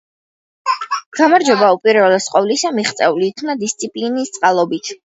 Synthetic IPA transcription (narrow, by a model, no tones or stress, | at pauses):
ɡ̥amaɾd͡ʒɔbaupʼiɾvɛlɛsqʼɔvlisamiχt̪sʼɛuliːk̪ʰmnad̪ist̪sʼipʼlinist̪sʼqʼalˠɔbit̪ʰ